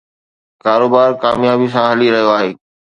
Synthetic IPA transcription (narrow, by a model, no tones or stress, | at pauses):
kaːɾoːbaːɾkaːmjaːbisãɦɐliɾɐɦijoaːɦeː